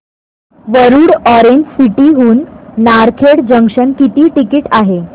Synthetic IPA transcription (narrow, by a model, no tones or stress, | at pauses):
ʋəɾuːɽɔɾeɲd͡ʑsiʈiːɦuːnːaɾkʰeɽd͡ʑəŋkʂənkit̪iːʈikiːʈaɦe